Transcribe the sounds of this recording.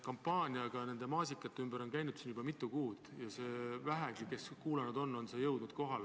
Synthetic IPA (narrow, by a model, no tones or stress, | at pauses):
kɑmpːˑɑːnʲiɑɡ̥ɑne̞nd̪̥e̞mɑːsikːˑɑt̪ːeymb̥eɾo̞nkæjnud̪̥siːnjub̥ɑmit̪ːˑukuːd̪̥jɑse̞ːvæɦeɡike̞skuːlenud̪̥o̞nːo̞nse̞jɤwd̪nud̪̥ko̞ɦɑl